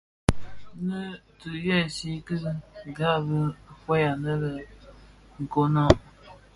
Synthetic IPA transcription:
nə˦tɨ˨jɛ˦˨si˦kɨ˦˨ɡa˦˨bə˦kwe˦ja˨nə˦lə˨ | ŋ̩˨ko˦nɔ˦˨

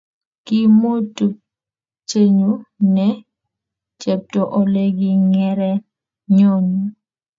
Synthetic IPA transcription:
ki˦mo˦tu˨ | t͡ʃe˦ɲu˦nɛ˦ | t͡ʃe˨p̚to˨ʔɔ˨le˦ɡi˦ŋɛ˦ɾɛ˦ | ɲo˦ɲu˨

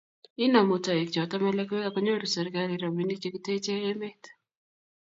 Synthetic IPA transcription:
ɪ˦nɔ˨mo˨tɔ˨e˨kt͡ʃɔ˨tɔ˦mɛ˦lɛ˦kwe˦a˨kɔ˦ɲo˦ɾu˨sɛ˨ɾka˦ɾi˦ɾɔ˨mi˦ni˦t͡ʃe˦kite˦t͡ʃeː˦me˦t

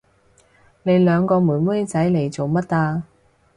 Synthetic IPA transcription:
ne˨˧jlœː˨˧ŋkɔː˧muː˨˩nmu˥jt͡sɐ˨˥jle˨˧jt͡so˨wmɐ˥t̚ːaː˧

